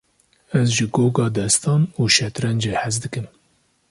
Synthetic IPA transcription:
ɛzʒɨɡoːɡɑːd̪ɛst̪ɑːnuːʃɛt̪ɾɛnd͡ʒeːħæzd̪ɨkɨm

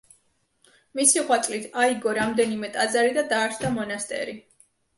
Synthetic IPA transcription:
misiʁwat̪sʼlit̪ʰaiɡɔɾamd̪ɛnimɛt̪ʼazaɾid̪ad̪aːɾt͡ʃd̪amɔnast̪ʼɛ̰ɾi

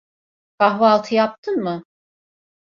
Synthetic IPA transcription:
kʰaɦvaːlˠt̪ʰɯjap̚t̪ʰɯnmɯ

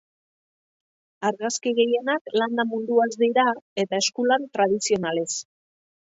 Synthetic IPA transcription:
aɾɣaskiɣe̞je̞nakland̪amund̪uazd̪iɾae̞t̪ae̞skulant̪ɾað̞isio̞nale̞s

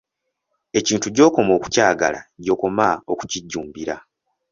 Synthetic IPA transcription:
e̞ciːntuɟo̞ːko̞mo̞ːku̥caːɡa̰la̰ɟo̞ːko̞mao̞ku̥ciɟːuːmbiɾa

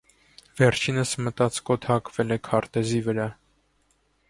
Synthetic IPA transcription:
vɛɾt͡ʃʰinəsmət̪ɑt͡skɔt̪ʰɑkvɛlɛkʰɑɾt̪ɛzivəɾɑ

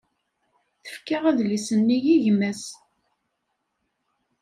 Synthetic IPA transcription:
θə̥fkaʁæðlisənːijiʝmæs

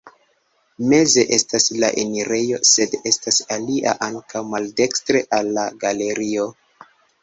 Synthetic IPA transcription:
me̞ze̞ʔe̞stasla̰ʔeniɾe̞jo̞̰se̞de̞stasaliʔa̰ʔaŋkawmalde̞kstɾe̞ʔalːaɡale̞ɾio̞

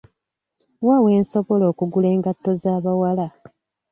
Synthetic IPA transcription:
waːwe̞ːnso̞βo̞lo̞ːkuɡule̞ːŋɡatːo̞zaːβawala

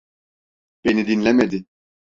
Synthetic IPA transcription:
b̥enid̪inlɛmɛd̪i

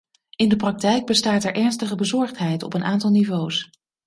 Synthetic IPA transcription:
ɪndəprɑk̚tɛjɡ̚bəstaːtɛɹʔɛɹnstəχəbəzɔɹχtɦɛjtɔ̰pənʔaːntɑlˠnivows

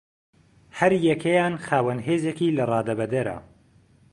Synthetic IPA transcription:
hɐɾjɛkʰɐjaːnxaːwɐnɦeːzekiːlɐrɑːd̪ɐbɐd̪ɐɾɐ̰

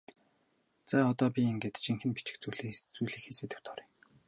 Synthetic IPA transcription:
t͡saːɔt̪ɔːpʲieŋɡeːt̪t͡ɕiŋxɘ̆npit͡ɕɪ̆kt͡suɮt͡sujɮiːkxeseːt̪ɘ̆wt̪ʰɔɾiŋ

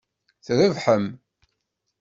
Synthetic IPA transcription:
θɾəvħəm

